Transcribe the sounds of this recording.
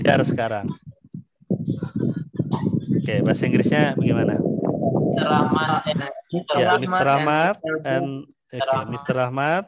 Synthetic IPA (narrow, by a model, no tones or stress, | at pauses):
t͡ʃa̰ɾasə̥kaɾaŋ | okebasaiŋɡɾisɲabəɡimana̰ | a | jamist̪əɾahmat̪̚ɛn | oemist̪əɾahmat̪̚